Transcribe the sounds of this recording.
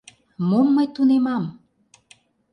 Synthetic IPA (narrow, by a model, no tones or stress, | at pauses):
momːəjt̪unemɑm